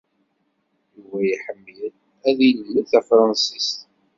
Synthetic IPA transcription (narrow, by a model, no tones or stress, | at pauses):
juvæjiħəmːjəð | æðillːiθæfɾˤɑnsist̪